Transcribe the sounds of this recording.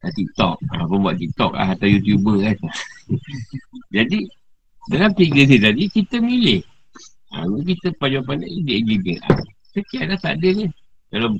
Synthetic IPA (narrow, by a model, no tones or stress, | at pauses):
ət̪ik̚t̪ɔ̰k̚a̰pəmbua̰ʔt̪ik̚t̪ɔ̰k̚la̰hat̪awjut̪jubəasa | d͡ʒadi | dalampiɡəsit̪adikit̪əmilɪh | a̰ɡukit̪əpad͡ʒapanə̰ʔdiɛd͡ʒiɡət̪a̰ | səkiaʔ̪̚lahsa̰dənə | kala